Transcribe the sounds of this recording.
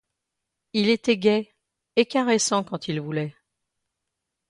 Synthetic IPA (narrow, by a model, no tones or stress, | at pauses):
ilet̪ɛɡʲɛ | ekaʁesɑ̃kɑ̃t̪ʰilvulɛ